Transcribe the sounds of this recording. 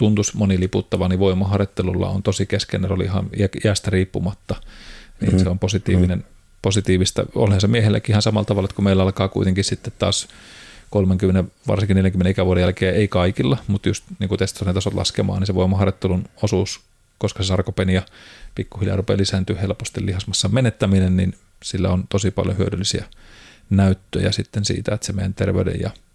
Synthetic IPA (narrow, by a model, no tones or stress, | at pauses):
t̪unt̪usmoniliput̪ːɑʋɑniʋʋoimɑhɑret̪ːelulːɑ̰o̰nt̪osikeskḛnːæso̰lḭihɑ̰næiæst̪æriːpːumɑt̪ːɑnḭːnseomposit̪iːʋinen | posit̪iːʋist̪ɑ̰o̰lhɑnsemiehelːæ̰kiʔihɑnsɑmɑlt̪ɑʋɑlet̪kumeilːæɑlkɑːkuit̪eŋkissit̪ːet̪t̪ɑ̰ːskolmeŋkymːeneʋʋɑ̰rsiŋkineljæŋkymeneikæʋuodejælkeːeikɑikilːɑmut̪just̪niːŋkut̪est̪ɑsɑnet̪ɑsot̪lɑ̰skemɑ̰ːniseʋoimɑhɑreɑt̪ːelunosuːs | koskɑsesɑrkopenijɑpikːuhiljɑ̰rupḛlisæːnt̪yːhhelpost̪ilːihɑsmɑsːɑmenet̪ːæminennin | silːæ̰ont̪osipɑ̰ljohyødylːisiæ | næyt̪ːø̰jæ̰sit̪ːensḭːt̪æet̪semḛjæ̰nt̪erʋḛydḛjɑ̰